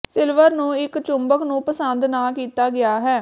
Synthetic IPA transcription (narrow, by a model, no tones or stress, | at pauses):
sɪlʋəɾnũːɪkt͡ʃʊmbəknũːpəsənd̪naːkiːt̪aːɡɪaːɦɛː